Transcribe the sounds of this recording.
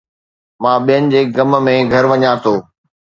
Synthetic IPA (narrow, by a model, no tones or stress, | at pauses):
mãːɓijənɪ̆d͡ʑeːɡɐmmẽɡʱɐɾʋɐɲãt̪ʰoː